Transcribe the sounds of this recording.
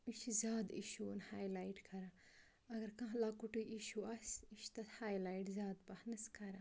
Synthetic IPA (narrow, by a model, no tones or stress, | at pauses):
miʃizaːd̪ḭʃunhaːjlaːjʈkʰɐɾa | ɐɡɐɾkãɦlaːkuʈɨʔiʃuɐsiʃt̪ɐt̪haːjlajʈzaːd̪pɐhnɐskʰɐɾa